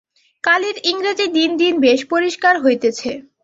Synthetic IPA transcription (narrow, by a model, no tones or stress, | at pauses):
kaliɾiŋɾad͡ʑid̪ind̪inbeʃpoɾiʃkaɾɦojt̪et͡ɕʰe